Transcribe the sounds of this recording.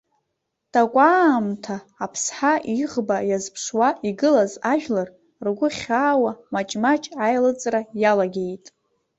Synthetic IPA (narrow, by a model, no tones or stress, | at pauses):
d̥akʷʼamtʰaːpʰsħaʔiʁbajazpʰʂwaiɡɨlazaʒᶣlar | rɡʷʊχʲaːwamat͡ʃʼmat͡ʃʼajlɨt͡sʼrajalaɡʲejtʼ